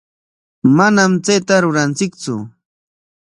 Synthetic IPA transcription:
manamt͡sejt̪aɾʊɾant͡sɪkt͡sʊ̰

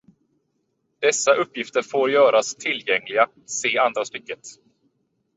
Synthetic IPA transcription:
d̪̥ɛsːaʔɵpːjɪft̪əɾfoːɾjœːɾast̪ʰɪlːjɛŋlɪɡa | seːand̪ɾast̪ʏkːət̪

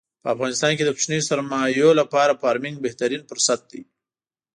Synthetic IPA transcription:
pəafɣɑnɪst̪ɑnked̪əpʃnejosaɾmɑjolapɑɾafɑɾmɪŋɡ̚beht̪aɾinfʊɾsat̪̚d̪i

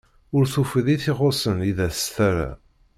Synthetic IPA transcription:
ʊɾθufəðiθɪʁosəniðæst̪æɾa̰

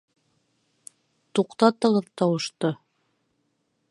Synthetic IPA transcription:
t̪uqt̪ɑt̪ɤ̆ʁɤðt̪ɑwɤ̆ʃt̪ɤ

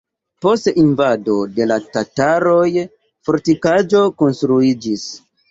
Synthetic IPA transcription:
po̞stinvado̞de̞latataɾo̞j | fo̞ɾtikad͡ʒo̞ko̞nstɾuid͡ʒis

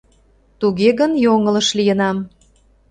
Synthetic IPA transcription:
t̪uɣeɣənjoŋələ̆ʃlijə̆nɑm

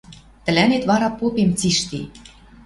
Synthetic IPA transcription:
t̪ə̆lænet̪βɑɾɑpopemt͡siʃt̪ḭ

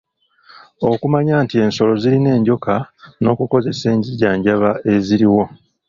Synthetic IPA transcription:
o̞kumaɲaːntie̞ːnso̞lo̞ziline̞ːɲɟo̞kʰano̞ːkuko̞ze̞se̞ːɲɟiɟaːɲɟaβae̞ziɾiwo̞

